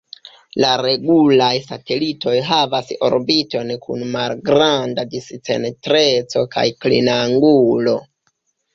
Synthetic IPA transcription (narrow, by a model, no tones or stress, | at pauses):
laɾe̞ɡulajsate̞lito̞jɦavaso̞̰ɾbito̞nkṵnmalɡɾandadist͡se̞̰ntɾe̞t͡so̞ka̰jklḭnaŋɡulo̞